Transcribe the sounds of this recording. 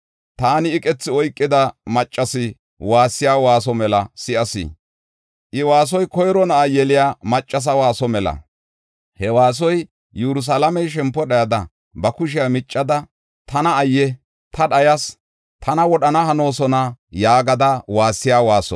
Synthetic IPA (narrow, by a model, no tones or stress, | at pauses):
t̪aːnɪːkʼɛt͡sːɪɔjkʼːɪd̪ɐmɐt͡ʃʼːɐsɪ | waːsːɪjaːwaːs̬ɔmɛlɐsɪʔɐsɪ̰ | ʔɪwaːs̬ɔjkɔjɾɔnɐʔajɛlɪjaːmɐt͡ʃʼːɐs̬ɐwaːsɔmɛlɐ̰ | hɛwaːs̬ɔj | juɾʊs̬alɐmɛjʃ̬ɛmpːɔɗɐjɐd̪ɐ | bɐkʊʃ̬ɪjamɪt͡ʃʼːɐd̪ɐ | t̪ɐnɐːjːɛ | t̪ɐɗɐjɐs | t̪ʰɐnɐwɔɗɐnɐhɐno̞ːsɔnɐjaːɡɐd̪ɐwaːsːɪjaːwaːsɔ̰